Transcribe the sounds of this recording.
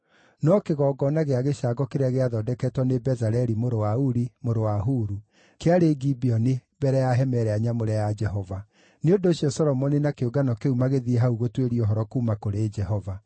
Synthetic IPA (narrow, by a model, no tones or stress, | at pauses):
nɔkeɣɔɡɔnaɣeaɣeʃaɡɔkeɾeaɣeaðɔdɛkɛtwɔnebɛzaɾɛɾimoɾowauɾimoɾowaɦuɾu | keaɾeɡibiɔne | bɛɾɛjaɦɛmɛɾɛaɲamoɾɛjad͡ʒɛɦɔva | neondoːɕiɔsɔlɔmɔninakeoɡanɔkeumaɣeðieɦauɣotweɾiɔɦɔɾɔkumakoɾeːd͡ʒɛhɔva